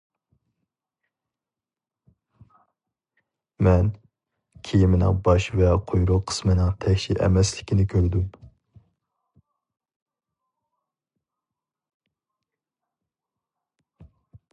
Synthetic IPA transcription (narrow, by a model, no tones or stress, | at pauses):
mɛn | kʲʰijimɪnɪ̰ŋbɑʃvɛqʰojɾʊqʰə̥smɨnɨŋt̪ʰɛkʲʃiʔɛ̰mɛslɪkʲʰinɪkʲʰøɾd̪ym